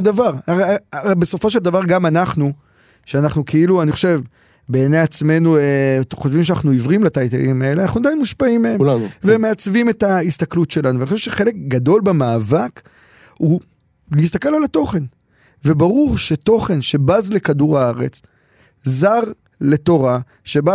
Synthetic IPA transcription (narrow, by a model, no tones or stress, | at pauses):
d̪avaʁabeso̞fo̞ʃe̞ld̪avaʁɡamanaχnu | ʃeanaχnukʰeiluaniχo̞ʃe̞v | be̞ːnejat͡sme̞nueχo̞ʃvimʃ̬anaχnuivʁimlat̪ajt̪a̰imae̞leana̰χnuad̪ajnmuʃpaimːeemvemeat͡svime̞taist̪aklutʃe̞lanuvaniχoʃeʃeχe̞le̞kɡad̪o̞lbamaːvak | hu | liis̬t̪ake̞lalat̪o̞χe̞n | vebaʁuʁʃe̞to̞χe̞nʃe̞bazle̞kaduʁaaʁe̞̰t͡s | zaʁ | le̞to̞ʁa | ʃe̞ba